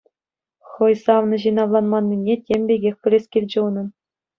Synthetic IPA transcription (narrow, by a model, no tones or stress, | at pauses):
χɤ̆jsɑʋnɤ̆ʑɯnɑʋlˠɑnmɑnʲːinʲetʲemʲbʲeɡʲexʲpʲɘ̆lʲesʲkʲilʲd͡ʑɘ̆nɤ̆n